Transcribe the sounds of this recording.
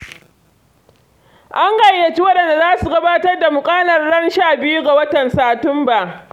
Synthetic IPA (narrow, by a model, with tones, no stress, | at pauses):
ʔa˦ŋɡɐ˨jːɐ˨t͡ʃi˦wɐ˦ɗɐ˨nda˨zaː˦su˨ɡɐ˦baː˦tɐ˦rda˨mʊ˨kʼaː˦lɐ˨rɽɐ˦nʃaː˦˨bɪ˦ju˦ɡa˨wɐ˦tɐ˨nsaː˨tʊ˦mba˨ʔ